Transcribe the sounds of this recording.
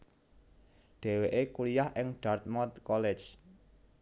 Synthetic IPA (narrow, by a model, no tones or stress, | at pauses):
ɖ̥e̤weʔekulijahʔɪŋɖ̥art̪̚mɔt̪kɔlɛ̥d͡ʒ